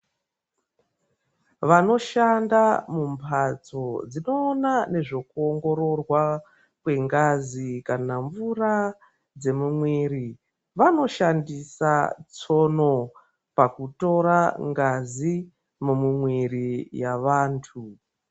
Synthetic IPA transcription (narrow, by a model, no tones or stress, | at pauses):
ʋano̞ʃandamumpʰat͡so̞d͡zino̞ːnane̞ʐo̞kuoŋɡo̞ɾo̞rwa | kwe̞ŋɡazikanaɱvura | d͡ze̞mumwiːɾi | ʋano̞ʃandisa̰t͡so̞no̞ | pakuto̞ɾaŋɡazi | mumumwirijaʋaːntʰu